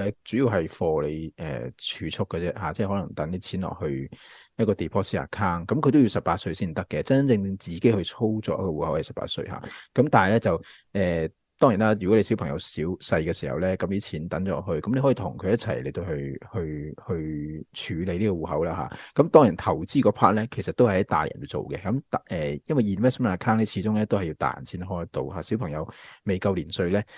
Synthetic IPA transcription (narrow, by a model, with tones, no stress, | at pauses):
ɛ˧t͡syː˨˥ji˧wɦɐ˨jfɔː˧le˨˧jʔɛ̰ː˨˩t͡ʃʰyː˨˧t͡sʰʊ˥kːɛ˧t͡sɛ˥ɦaː˨˧t͡sɛː˥˩ɦɔ˨˥lɐ˨˩ŋt̪ɐ˨˥ni˧˥t͡sʰiː˨˥nlɔ̰ː˨k̚hɵ˧ɥjɐ˥kɔː˧t̪iː˨˩pʰɔː˥si˥a̰ː˨˩kʰaː˥ŋkɐ˨˦mkʰɵ˨˧t̪ji˨˧wsɐ˨˩pːaː˧t̚sɵ˧ɥsiː˥nm˨t̪ɐ˥kːɛ˨t͡sɐ˥n˥nt͡sɪ˧ŋt͡sɪ˧ŋt͡siː˨ke˨˥hɵ˧ɥt͡sʰo˥wt͡sɔː˧˥jɐ˥kɔ˧uː˨hɐ˨˦whɐ˨˩jsɐ˨pa̰ː˧t̚sɵ̰˧ɥɦa̰ː˧kɐ˨˥mt̪aː˨nɦjlɛː˥t͡sɐ˨wʔɛː˨ | t̪ɔː˥ŋji˨˩naː˦˥jyː˨˩kɔ˨˥le˧si˨˥wpʰɐ˨˩ŋjɐ˧wsiː˨˥wsɐ˧jkɛː˧siː˨˩hɐ̰˨wlɛː˥kɐ˨˥mliː˥t͡sʰiː˨˥nt̪ɐ˨˥nt͡ʃɔː˨˧ɦɵ˧ɥkɐ˨˦mne˧jɦɔ˨˥iː˨t̪ʰʊ˨˩ŋkʰɵ˨˧ɥjɐ˥t̚t͡sʰɐ̰˨˩jle˨˩jt̪o˧whɵ˧ɥhɵ˧ɥhɵ˧ɥt͡ʃʰyː˨˧˥le˨˧jliː˥kɔː˧wuː˨˩ɦɐ̰˨˥wlaː˧ɦa̰ː˧˦kɐ˨˥mt̪ɔː˥ŋji˨˩nt̪ʰɐ˨˩wt͡siː˥kɔː˧pʰaː˥t̚lɛː˥kʰe˨˩jsɐ˨t̚t̪o˥whɐ˨jɐ˥t̪a̰ː˨˩j̰nwu˨˧t͡so̰˨wkɛ˧kɐ˨˦mt̪ʔɛː˨˩jɐ˥nwɐ˨˩jiː˨˩˨mɛ˥sɐ˥m˨aː˨˧˩kʰaː˥ŋlɛː˥t͡sʰiː˨˥t͡sʊ˥ŋlɛː˥t̪o˥whɐ˨jːi˧wt̪a̰ː˨˩˨nt͡sʰiː˨˥nɦɔː˥jt̪o̰˧whaː˨si˨˥wpʰɐ˨˩ŋjɐ˨˧wme˨jkɐ˧wliː˨˩nsɵ˧ɥlɛː˥